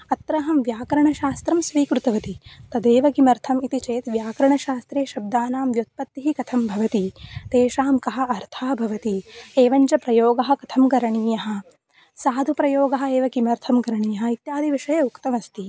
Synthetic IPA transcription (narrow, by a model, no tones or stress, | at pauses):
ɐt̪ɾɐɦɐmʋjaːkɐɾɐɳɐʃaːst̪ɾɐmsʋiːkɾut̪ɐʋɐt̪it̪ɐd̪eːʋɐkimɐɾt̪ʰɐmit̪it͡ʃeːt̪ʋjaːkɐɾɐɳɐʃaːst̪ɾeːʃɐb̚d̪aːnaːmʋjut̪̚pɐt̪ːiɦikɐt̪ʰɐmbʱɐʋɐt̪it̪eːʃaːmkɐɦɐ̆ɐɾt̪ʰaːbʱɐʋɐt̪ieːʋɐɲt͡ʃɐpɾɐjoːɡɐɦɐ̆kɐt̪ʰɐmkɐɾɐɳiːjɐɦɐ̆ | saːd̪ʱupɾɐjoːɡɐɦɐ̆eːʋɐɡimɐɾt̪ʰɐmkɐɾɐɳijɐɦɐit̪jaːd̪ʱiʋiʂɐjɐukt̪ɐmɐst̪i